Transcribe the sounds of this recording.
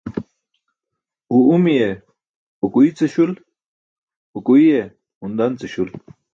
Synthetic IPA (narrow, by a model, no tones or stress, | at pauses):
uumije | ukuit͡seɕul | ukuije | und̪ant͡seɕul